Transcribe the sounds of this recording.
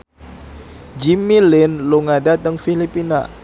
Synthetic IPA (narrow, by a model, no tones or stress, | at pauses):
d͡ʒimilɪnluŋadat̪əŋfilipina̰